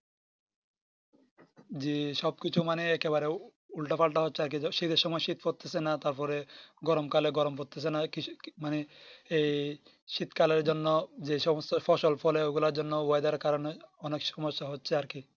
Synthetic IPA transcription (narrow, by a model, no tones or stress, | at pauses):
d͡ʑiʃɔb̚kit͡ɕʰumaneɛkeβaɾe | ulʈapʰalʈaɦotːɕʰeaɾk̬iʃit̪eɾʃɔmɔeʃit̪foɾt̪esenat̪aɾpɔɾeɡɔɾomkaleɡɔɾompot̪es̬enakimaneej | ʃit̪kaleɾd͡ʑonːod͡ʑeʃɔmɔst̪afʰɔʃɔlpʰɔleoɡulaɾd͡ʑɔnːobɔjd̪aɾkaɾoneɔnekʃɔmɔʃːaɦotːɕʰeaɾki